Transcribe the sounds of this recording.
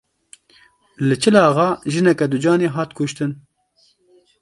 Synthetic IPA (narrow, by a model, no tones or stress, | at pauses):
lɨt͡ʃʰɨlɑːɣɑːʒɨnɛkɛd̪ʊd͡ʒɑːneːɦɑːt̪kʰʊʃt̪ɨn